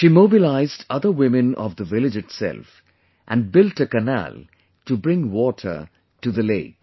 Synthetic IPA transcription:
ʃimoːbilaɪzdʌd̪əwɪmɨ̃nɔ̰vd̪əvɪlɪd͡ʒɨtsɛ̰lf | ʔæ̃nɖ̚bɪlʈəkɨnæ̰l | tubɹɪ̃ŋwɔtʰə̰˞ | tuðəleɪk

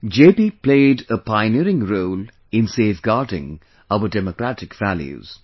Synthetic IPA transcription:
d͡ʒeːpipleɪdəpʰaɪniɾɪ̃ŋɾoʊːl | ɪ̃nseːfɡaɾdɪ̰̃ŋ | ʌʊədɛmokɾætɪkvæljṵz̥

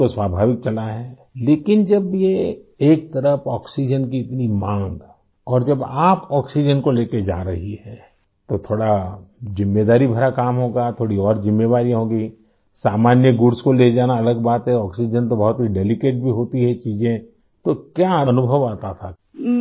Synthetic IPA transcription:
oswaːbʱaːʋɪk̚t͡ʃɐlaɦɛː | leːkɪnd͡ʒɐbjeeːk̚t̪ɐɾəpɔːksid͡ʒənkiɪt̪nimãːŋɡ | ɔːɾd͡ʒɐbaːpɔːksid͡ʒənkoleːked͡ʒa̰ːɾɐɦiɦɛː | t̪ot̪ʰoːɽazɪmːeːd̪aːɾibʱɐɾakaːmɦoːɡat̪ʰoːɽiɔːɾzɪmːeʋaːɾiɦõːɡi | saːmaːnjəɡʊɾskoled͡ʒaːnaɐləɡbaːt̪ɦɛɔːksid͡ʒənt̪obɐɦʊt̪iɖeːlɪkeːʈ̚bʱiɦoːt̪iɦɛt͡ʃiːzẽ | t̪okjaɐnʊbʱəʋaːt̪at̪ʰa

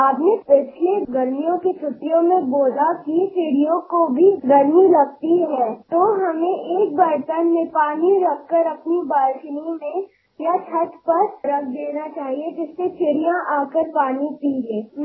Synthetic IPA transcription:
aːpnepɪt͡ʃʰleɡɐɾmijõket͡ʃʰʊʈːijõmẽboːlakit͡ʃɪɽijõkobʱiɡɐɾmilɐɡ̚t̪iɦɛːt̪oɦɐmẽʔeːk̚bɐɾt̪ənmẽpaːniɾɐkːəɾɐpnibaːlʃnimẽ | jat͡ʃʰɐʈ̪pɐɾɾɐk̚ʰd̪eːnat͡ʃaːɦied͡ʒɪsːet͡ʃʰɪɽijãʔaːkəɾpaːnipiːleː

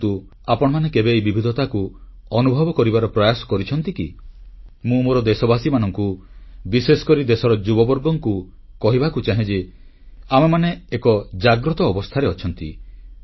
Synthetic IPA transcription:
t̪u | apɔɽ̃ɔmanekebejbibʱid̪ʱɔt̪akuɔnubʱɔbɔkɔɾibaɾɔpɾɔjasɔ̥kɔɾit͡ʃʰɔnt̪ikḭ | mũmoɾɔd̪esɔbasimanɔŋkubisesɔ̥kɔɾid̪esɔɾɔd͡ʒubɔbɔɾɡɔŋku | kɔɦibakut͡ʃaɦẽd͡ʒe | amemaneːkɔd͡ʒaɡɾɔt̪ɔːbɔst̪ʰaɾeɔt͡ʃʰɔnt̪ḭ

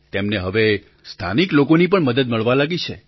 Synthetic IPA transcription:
t̪emneɦəʋe | st̪ʰaniklokonip̬əɳməd̪əd̪̚məɭʋalaɡit͡ʃʰe

